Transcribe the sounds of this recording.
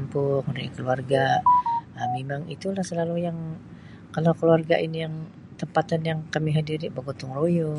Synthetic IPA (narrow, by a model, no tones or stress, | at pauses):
mpʊkudakəluarɡa | əmemaŋḭt̪ulahsəlalujaŋ | kalawkəluarɡa̰ʔinijaŋ | t̪əmpat̪anjaŋkamiɦadiɾibəɡot̪ʊŋrojɔ